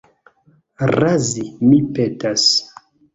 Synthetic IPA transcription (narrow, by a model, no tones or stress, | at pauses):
razimipetas